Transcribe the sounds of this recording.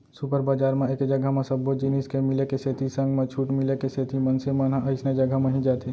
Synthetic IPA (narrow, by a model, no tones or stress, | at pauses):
supəɾbad͡ʒaːɾmẽeːkd͡ʒɐɡʱamẽsɐbːod͡ʒiniskemɪlekeset̪isə̃ŋɡmẽt͡ʃʰuːʈmɪlekeset̪ʰimɐnsemɐnãʔəɪsned͡ʒəɡʱamɐɦĩd͡ʒaːt̪ʰe